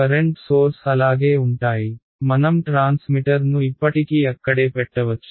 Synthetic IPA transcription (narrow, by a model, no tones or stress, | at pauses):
kɐɾeɳʈsoːɾsɐlaːɡeuɳʈaːji | mɐnɐmʈɾaːnsmiʈɐɾnuipːɐʈikiɐkːɐɽepɛʈːɐʋɐt̪ːu